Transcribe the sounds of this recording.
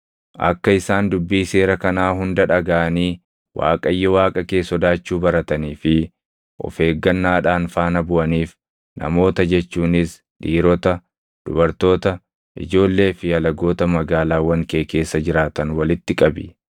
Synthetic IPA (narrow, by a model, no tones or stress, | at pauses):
ʔɐ̰kːɐɪsaːnd̪ʊbːiːse̞ːɾɐkɐnaːɦʊnd̪ɐᶑɐɡɐʔɐniː | wʔa̰ːkʼɐjːɔwaːkʼɐke̞ːsɔd̪aːt͡ʃːuːbɐɾɐt̪ɐniːfɪ | ʔɔ̰fe̞ːɡːɐnːaːᶑaːnfaːnɐbʊʔɐniːf | nʔɐ̰mo̞ːt̪ɐd͡ʒɛt͡ʃːuːnɪs | ᶑiːɾɔt̪ɐ | d̪̥ʊbɐɾt̪o̞ːt̪ɐ | ʔɪ̰d͡ʒo̞ːlːe̞ːfɪɐlɐɡo̞ːt̪ɐmɐɡaːlaːwɐŋkeːke̞ːsːɐd͡ʒɪɾaːt̪ɐnwɐlɪt̪ːɪkʼɐbɪ